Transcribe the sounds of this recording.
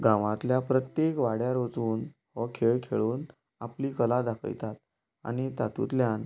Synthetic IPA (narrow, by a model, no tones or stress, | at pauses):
ɡãʋãt̪ljapɾət̪jekʋaɽjaɾod͡zuːnhɔkʰeɭkʰeɭuːn | apliːkəlad̪akʰə̰jt̪at̪̚ | a̰ñit̪at̪ṵt̪ljan